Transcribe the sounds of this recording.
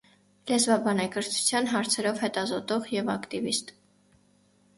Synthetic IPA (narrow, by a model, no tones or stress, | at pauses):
lɛzvɑbɑnɛkəɾt͡sʰu̥t͡sʰjɑnɦɑɾt͡sʰɛɾɔvhɛt̪ɑzɔt̪ɔʁjɛvɑkt̪ivist̪